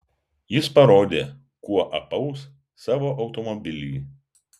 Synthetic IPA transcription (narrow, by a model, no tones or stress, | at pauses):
jɪspɐɾoːd̪ʲeː | kuɔʔɐpɐʊs | sɑːʋoːʔɐʊt̪omobʲɪlʲiː